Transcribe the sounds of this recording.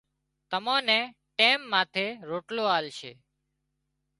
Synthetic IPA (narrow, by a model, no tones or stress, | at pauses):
t̪əmãːnẽː | ʈeːmːãːt̪ʰeːɾoːʈloːaːlʃʰḛː